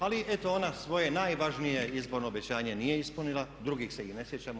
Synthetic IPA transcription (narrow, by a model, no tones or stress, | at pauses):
aliʔɛt̪oonasʋojɛnajʋaʒnijɛizbɔɾnɔːbɛt͡ʃaɲɛnijɛispl̩nilad̪ɾuɡiːxsɛiɣnɛsjɛt͡ʃam